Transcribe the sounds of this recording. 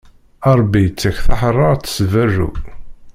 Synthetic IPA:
ɑɾˤbːit͡sːæçθaħrˤːɑʁt͡sːə̥svæʒṵ

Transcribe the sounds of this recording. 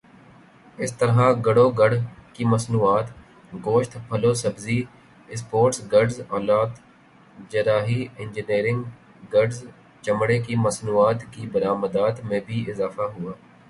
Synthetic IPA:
ɪst̪əɾɦaɡɐɽoɡɐɽkimɐsnuːaːt̪ | ɡoːʃt̪pʰɐlosɐbzi | spoːɾʈsɡɐɾɖzaːlaːd̪ | d͡ʒɐɾaːɦiɪ̃nd͡ʒɪniːɾɪ̃ŋɡ | ɡɐɖz | t͡ʃɐmɽekimɐsnuːaːt̪kibɐɾaːməd̪aːt̪mẽbʱiɪzaːfaɦʊaː

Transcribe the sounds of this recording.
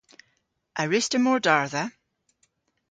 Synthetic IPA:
ʔəɹɪstəmɔɹdaɹðə

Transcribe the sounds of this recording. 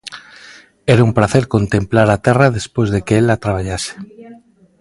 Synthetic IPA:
eɾaumpɾaθeɾko̞nt̪emplaɾat̪erað̞e̞spwezðe̞keelat̪ɾaβaʎase̥

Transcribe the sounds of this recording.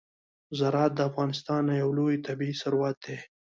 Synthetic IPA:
zaɾɑt̪̚d̪əafɣɑnɪst̪ɑnːajawlojt̪abiisaɾwat̪̚d̪e

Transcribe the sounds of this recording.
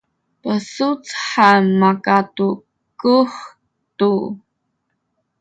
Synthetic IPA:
pəsut͡sħamakat̪u | kuχ | t̪u

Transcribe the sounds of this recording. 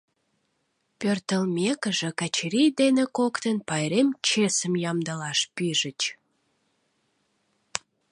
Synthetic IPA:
pørt̪əlmekəʒekæt͡ɕɾijd̪enekokt̪ənpɑjɾemt͡ɕesəmjɑmd̪əlɑʃpiʒət͡ɕ

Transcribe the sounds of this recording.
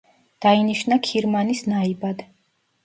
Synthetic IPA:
d̪̥ainiʃnakʰiɾmanisnaibad̪

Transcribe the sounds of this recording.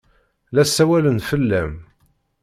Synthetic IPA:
læsːæwælənfəlːæm

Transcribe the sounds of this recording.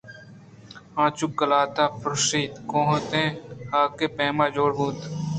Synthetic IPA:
ãːt͡ʃʊk̚ɡəlaːt̪aːpɾʊseːt̪kõːɦət̪ẽːhaːkeːpẽːmãːd͡ʒoːɽɦuːt̪

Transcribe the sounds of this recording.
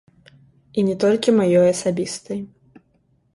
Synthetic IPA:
inʲɛt̪ɔlʲkʲimajɔjɐsabʲist̪ɐj

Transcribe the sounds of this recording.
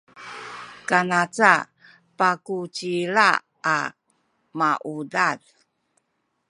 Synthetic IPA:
kanat͡sa | pakut͡ɕiɭa | a | maʔudad

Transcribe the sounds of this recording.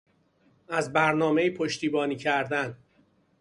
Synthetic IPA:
æzbæɾnɒːme̞iːpʰoʃt̪iːbɒːniːcʰæɾd̪æn

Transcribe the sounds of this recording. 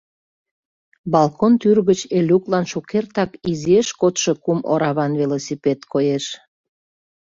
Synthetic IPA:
bɑlkont̪yrɣət͡ɕelʲuklɑnʃukert̪ɑkizieʃkot̪ʃɤkumo̰ɾɑβɑnvelosipet̪kʰojeʃ

